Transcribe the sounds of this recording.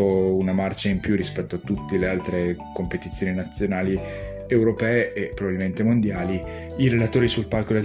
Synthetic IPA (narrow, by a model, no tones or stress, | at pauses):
ounamart͡ʃaimpjurispɛt̪ːoat̪ːut̪ːelealt̪ɾekompet̪it̪sːjoːninat̪sːjonaːli | ewɾopɛːeʔepːɾovabilment̪emond̪jaːli | iɾelat̪oːɾisulpalkol